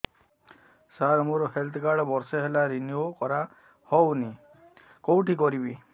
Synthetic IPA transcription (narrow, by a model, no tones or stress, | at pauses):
saɾmuɾɔhelt̪ʰkaɽɔbɔɾseɦelaɾiniokɔɾa | hɔwni | kɔwʈikɔɾibi